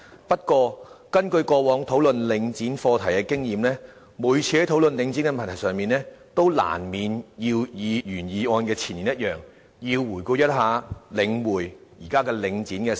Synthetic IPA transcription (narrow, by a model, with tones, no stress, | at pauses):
pɐ˥t̚kwɔː˧kɐ˥nkɵ˧ɥkɔː˧wɔː˨˥ŋt̪ʰo˨˥wlɵ˨nlɪ˨˧ŋt͡siː˨˥nfɔː˧t̪ʰɐ˨˩jkɛː˧kɪ˥ŋjiː˨˩mlɛː˥ | muː˨˥jt͡sʰiː˧hɐ˨˥jt̪ʰo˨˥wlɵ˨nlɪ˨˧ŋt͡siː˨˥nkɛ˧mɐ˨˩nt̪ʰɐ˨˩sœː˨ŋmiː˨nlɛː˥t̪o˥wla̰ː˨˩nmiː˨njiː˧wjiː˨˧jyː˨˩njiː˨˧ɔː˧nkɛː˧t͡sʰiː˨˩ni˨njɐ˥t̚jœː˨ŋ | jiː˧wːuː˨˩jku˧jɐ˥t̚ɦaː˨˧lɪ˨˧˥ŋwuː˨˩jjiː˨˩kaː˥kɛː˧lɪ˨˧ŋt͡siː˨˥nkɛ˧